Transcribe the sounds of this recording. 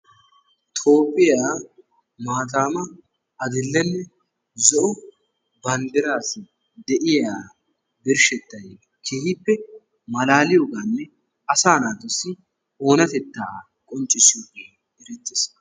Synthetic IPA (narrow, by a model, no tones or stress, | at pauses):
t̪ʰʼoːpʼːɪjaː | maːt̪̬aːmɐ | ɐd̪ɪlːɛnːɛ | zɔʔʊ | bɐnd̪ɪɾaːs | d̪ɛʔɪjaː | bɪɾʃɛt̪ːɐje | kʰeːhɪpːɛ | mɐlaːlɪjoɡanːɛ | ɐsaːnaːt̪ːɔsːɪ | o̞ːnɐt̪ɛt̪ːaː | kʼɔnt͡ʃʼːɪsɪjoɡe | ɪɾɛt̪ːɪs